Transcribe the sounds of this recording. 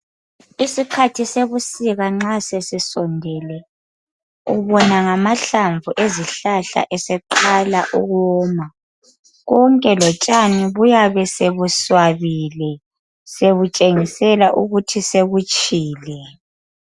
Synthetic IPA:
isikʰatʰiseβusiɣaŋ͡ǁasesisɔndʱɛlɛ | ṵβɔnaŋamaɬaɱvuʔeziɬaɬa̰ʔɛsɛǃalaʔuɣɔːma | ɣɔŋkʼɛlɔt͡ʃʼaniβujaβɛseβuswaβilɛ | seβut͡ʃʼeŋisɛlaʔuɣutʰiseɣut͡ʃʼiːlɛ

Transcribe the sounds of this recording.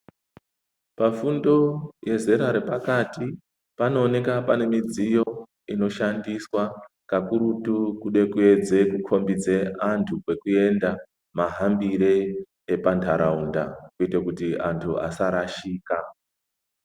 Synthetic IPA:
pafundo̞je̞ze̞ɾaɾepakati | pano̞ːne̞kapane̞mid͡zijo̞ | ino̞ʃandiswa | kakuɾutukuɗe̞kue̞d͡ze̞kukʰo̞mbid͡ze̞antʰukwe̞kue̞nda | maɦambiɾe̞ | epantʰaɾʔaunda̰kuitekutiantʰua̰saɾaʃiːka

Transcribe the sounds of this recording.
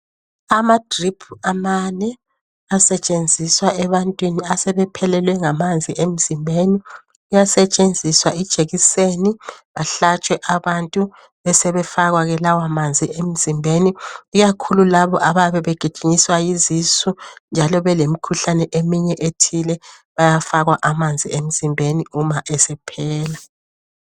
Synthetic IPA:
amadripʰuamanɛ | asɛt͡ʃʼend͡zʱiswaɛβantʼwiniasɛβɛpʰɛlɛlwɛŋamand͡zʱiem̩zimbʱeni | ujasɛt͡ʃʼend͡zʱiswaid̥ʒ̥ʱeɣiseniβaɬat͡ʃʼwɛʔaβantʼu | βɛsɛβɛfaɣwaɣɛlawamand͡zʱiem̩zimbʱeniːɣakʰululaβɔʔaβaβɛβɛɡ̥ʱi̥ʒ̥ʱiɲiswajizisund͡ʒʱalɔβɛlemikʰuɬanɛʔemiɲɛʔetʰilɛ | βajafaɣwaʔamand͡zʱḭem̩z̥imbʱeniumaʔɛsɛpʰɛːla

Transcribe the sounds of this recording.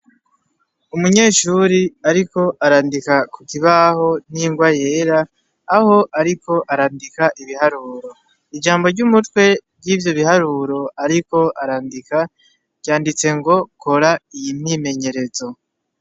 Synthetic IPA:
umuɲe̞ːʃuɾiaɾiko̞ʔaɾaːndikakukiβaho̞n̥iŋɡwaje̞ːɾaː | ho̞ʔaɾiko̞ʔaɾaːndikaʔiβiɦaɾuːɾo̞ | id͡ʒaːmbo̞ɾɟumutkwe̞b̚ɡiːvjo̞βihaɾuːɾo̞aɾiko̞aɾaːndikḁ | jaːndit͡se̞ŋɡo̞ko̞ɾaijimime̞ɲe̞ɾe̞zo̞

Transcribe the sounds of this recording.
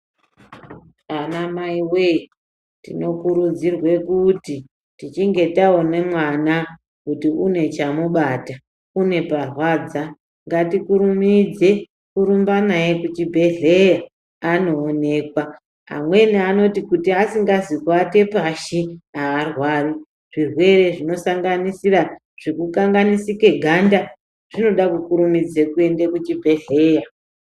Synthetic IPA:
anamaiwei | tḭno̞kuɾud͡zirwe̞kuti | tit͡ʃiŋɡe̞taone̞mwana | kutiune̞t͡ʃamuɓata | une̞parwaːd͡za | ŋɡatikuɾumid͡ze̞ | kuɾumbanajekut͡ʃibʱe̞ɮe̞ja | ano̞ːne̞ːkwa | a̰mwe̞niano̞tikutiasiŋɡazikwate̞paʃiaːrwaːri | ʐ̥irwe̞re̞ʐino̞saŋɡanisira | ʐ̥ekukaŋɡanisike̞ɡʱanda | ʐ̥ino̞ɗakukuɾumid͡ze̞kue̞ndekut͡ʃibʱe̞ɮe̞ːja

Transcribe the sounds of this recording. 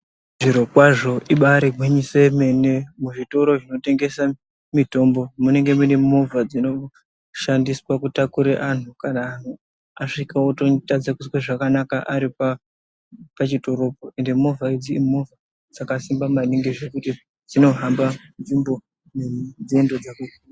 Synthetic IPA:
ʐiɾokwaʐo̞ʔiɓaɾeɡʱwiɲiseme̞nemuʐito̞ɾo̞ʐino̞te̞ŋɡe̞sa | mito̞mbo̞mune̞ŋɡe̞munemovad͡zino̞ | ʃandiswakutakuɾeʔan̤ukanaːn̤u | aʂikaototad͡zakusweʐakanakaʔaɾipa | pat͡ʃito̞ɾo̞poe̞nde̞mo̞vaid͡ziːmova | d͡zakasimbamaniŋɡeʐe̞kuti | d͡zino̞ɦambanvimbo̞ | ned͡zendod͡zakukana

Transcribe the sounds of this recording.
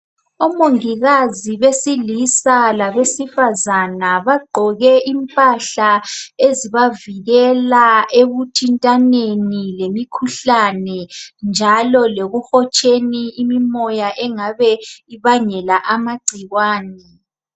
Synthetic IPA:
ɔmoŋiɣaziβesilisalaβesifazanaβaɡ͡ǃʱɔɣɛʔimpʼaɬaeziβaviɣɛlaeβutʰintʼanenilemikʰuɬanɛnd͡ʒʱalɔleɣuxɔt͡ʃʼeniːmimɔjaʔɛŋaβɛiβaɲɛlaʔamaɡ͡ǀʱiɣwaːnɛ

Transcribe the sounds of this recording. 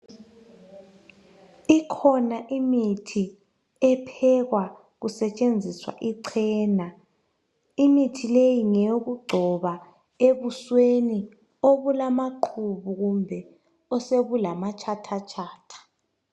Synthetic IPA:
ikʰɔnaʔimitʰi | ɛpʰɛɣwa | ɣusɛt͡ʃʼend͡zʱiswa̰ʔiǀʰɛːna | imitʰilejiŋɛɣuɡ͡ǀʱɔβa | eβusweni | oβulamaǃʰuβuɣumbʱɛ | ɔseβulamat͡ʃʼʰatʰat͡ʃʰʼaːtʰḁ

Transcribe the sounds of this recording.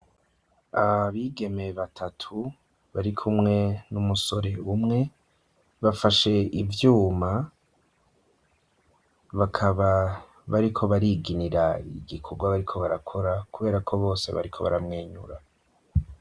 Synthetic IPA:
aaβiɡe̞me̞βatʰatʰu | βaɾikʰumŋe̞numuso̞ɾe̞umŋe̞ | βafaʃe̞ivjuːma | βakʰaβa | βaɾikʰo̞βaɾiːɡiniɾaḭɡikʰoɡwaβaɾikʰo̞βaɾakʰo̞ɾakuβe̞ːɾakʰo̞βo̞ːse̞̰βa̰ɾikʰo̞βa̰ɾamŋeːɲṵɾa

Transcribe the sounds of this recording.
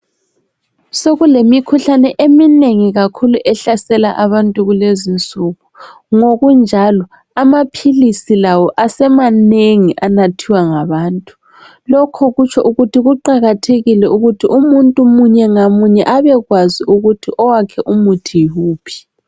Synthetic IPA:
soɣulemikʰuɬanɛʔemineŋiɣakʰuluʔɛɬasɛla̰ʔaβantʼuɣulezint͡sʼuːɣu | ŋoɣund͡ʒʱalɔ | amapʰilisilawɔʔasɛmaneŋiʔanatʰiwaŋaβaːntʼu̥ | lɔkʰɔɣut͡ʃʰɔʔuɣutiɣuǃaɣatʰeɣilɛuɣutʰiʔumuntʼumuɲɛŋamuɲɛʔaβɛɣwaziuɣutʰiʔɔwakʰɛʔumutʰijuːpʰi̥

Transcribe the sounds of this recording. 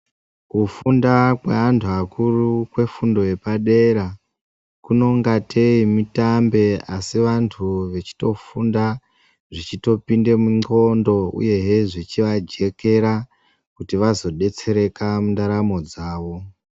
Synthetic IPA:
kufundakwḛantʰuakurukwe̞fundo̞je̞paɗe̞ɾa | kuno̞ŋɡate̞imitambe̞asiʋantʰuʋe̞t͡ʃi̥to̞funda | ʐit͡ʃito̞pinde̞muŋ͡ǀo̞ndo̞ṵje̞ɦeʐit͡ʃiʋad͡ʒe̞ke̞ɾa | kutiʋazo̞ɗe̞t͡se̞ɾe̞kamundaɾamo̞d͡zaːʋo̞

